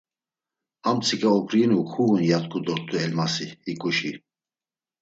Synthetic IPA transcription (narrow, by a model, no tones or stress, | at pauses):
hamt͡sʰikʼaɔpɾinuxʰuɣunjat̪kʰʼud̪ɔɾt̪ʼuɛlmasihikʼuʃi